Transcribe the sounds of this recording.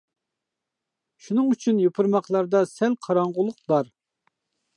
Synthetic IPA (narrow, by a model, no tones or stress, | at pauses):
ʃunɨŋyt͡ʃʰynjopʰuɾmɑχlˠɑɾd̪ɑsɛlqʰɑɾɑɴʁʊlˠʊqbɑɾ